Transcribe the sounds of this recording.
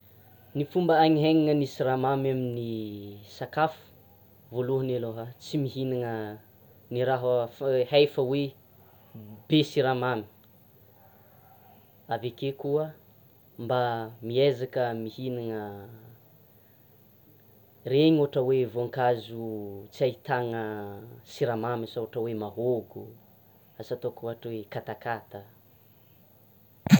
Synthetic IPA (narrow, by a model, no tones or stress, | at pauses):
nifumbəaɲiɦeŋaŋənisiramamaminisakafu̥ | voluɦəneloɦat͡simiɦinaŋə | niɾaɦfhajfəwe | b̥esiɾamami̥ | avekekuə | mbamiezakəmihinaŋə | reɲuaʈ͡ʂəwevoaŋkazut͡siait̪aŋəsiɾamamisauaʈ͡ʂəwemaɦoɡu | asat̪okuɦaʈ͡ʂwekat̪akat̪ə